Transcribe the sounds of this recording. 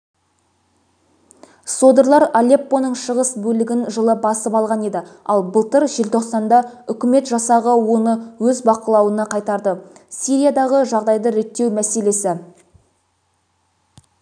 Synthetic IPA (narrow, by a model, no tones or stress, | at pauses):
so̞d̪əɾlˠɑɾalʲe̞pːo̞nəɴʃəʁəsbɵlɪɡʲɪnʒəlˠəbɑsəpɑlˠʁɑne̞d̪ɪɑlˠbəlˠt̪əɾʒe̞lt̪ʰo̞qsɑnd̪ɑʏkʲɪme̞t̪ʒɑsɑʁəwo̞nəwɵzbɑqəlˠɑwənɑqʰɑjt̪ɑɾd̪əsiɾijad̪ɑʁəʒɑʁd̪ɑjd̪əɾe̞t̪ːe̞wmæse̞le̞sɪ